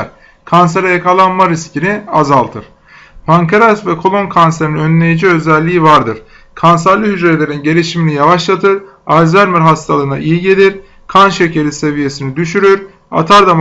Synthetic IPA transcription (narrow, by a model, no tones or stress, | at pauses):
ɾ | kʰanseɾajakʰalˠanmaɾiscʰiniazalˠt̪ʰɯɾ̥ | pʰaŋkʰaɾasvɛkʰo̞lˠo̞nkʰanseɾinø̞nlʲe̞jid͡ʒiø̞zɛlʲːiːivaɾd̪ɯɾ̥ | kʰansæɾlˠɯɦyd͡ʒɾet̪lʲe̞ɾinɟe̞ɾʲiʃiminʲijavaʃlˠat̪ʰɯɾ | alʲzæɾmiɾɦast̪ʰalˠɯːna̰ʔijiɟe̞lʲiɾ | kʰanʃecʰe̞ɾise̞vije̞sinid̪yʃyɾyɾ | a̰t̪ʰaɾd̪am